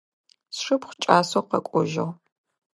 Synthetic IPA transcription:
sʂɨpχʷt͡ʃʼaːsowqɐ̰kʷʼʊʒɪ̰ʁ

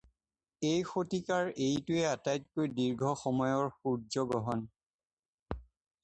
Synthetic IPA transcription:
ejxotikaɹejtʊɛatajt̚kojdiɹɡʱɔxɔmɔjɔɹxuɹzɔɡɔɦɔn

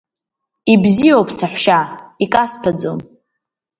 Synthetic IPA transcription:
ibzijowpʰʼsaħʷʃaikʼaspʰad͡zo̰m

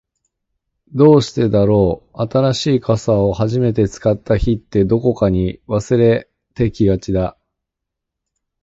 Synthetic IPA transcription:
d̪o̞ːɕi̥t̪e̞d̪aɾo̞ːat̪aɾaɕiːkasao̞haʑime̞t̪e̞t͡sɨ̥kat̪ːaçit̪ːe̞d̪o̞ko̞kaɲ̟iβasɨɾe̞ | t̪e̞kʲiɡat͡ɕid̪a

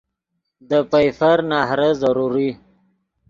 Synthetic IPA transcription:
d̪əpajfaɾnɑɦɾəzaɾuɾi

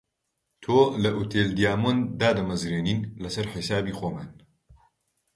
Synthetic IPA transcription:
t̪ʰoːlɐʔut̪ʰeːld̪ijaːmond̪aːd̪ɐmɐzɾeːniːnlɐsɐɾħɪsaːbiːxoːmaːn

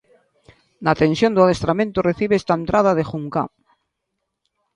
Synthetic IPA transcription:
nat̪ẽ̞nsjo̞nd̪aðest̪ɾamẽnt̪oreθiβeest̪aent̪ɾað̞aðexuŋka̰

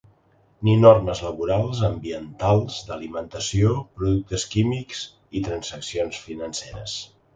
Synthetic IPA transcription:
ninorməzləβuɾalˠzəmbiənt̪alˠzd̪əlimənt̪əsiopɾuðuk̚t̪əskimikz | it̪ɾənzəksionsfinənseɾə̰s

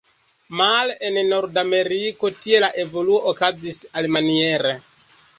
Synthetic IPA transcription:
malenno̞ɾdame̞ɾiko̞tie̞laʔe̞vo̞luo̞ʔːkazisalmanie̞ɾe

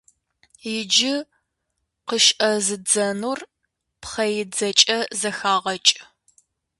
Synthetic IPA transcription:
jɪd͡ʒɪ | qəʃʔɐzɨd͡zɐnur | pχɐjɪd͡zɐt͡ʃʼɐzɐxaːʁɐt͡ʃʼ

